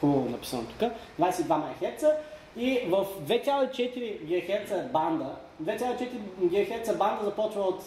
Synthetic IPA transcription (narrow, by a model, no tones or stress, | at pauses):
xuonɐpi̥sənot̪u̥kəd̪vajsɛid̪vamaxɛɾt̪sə | ivəfd̪vɛsʲjalˠoit͡ʃɛt̪iɾiɡʲɛɡɐxɛɾt̪səband̪ə | d̪vɛt̪ʲalˠoit͡ʃɛt̪iɾiɡʲɛɡɐxɛɾt̪səband̪əzɐpɔt͡ʃvəot̪